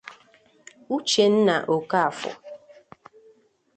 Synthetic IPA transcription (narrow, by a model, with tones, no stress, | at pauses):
u˦t͡ʃe˨n̩˦na˨ʔo˨ka˦a˨fɔ̰˨